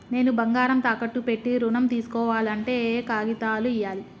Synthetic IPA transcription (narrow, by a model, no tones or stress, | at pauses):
ne̞ːnubɐŋɡaːɾɐmt̪aːkɐʈːupe̞ʈːiɾunɐmt̪iːsu̥kɔːʋaːlɐɳʈe̞ːkaːɡit̪aːluijːaːli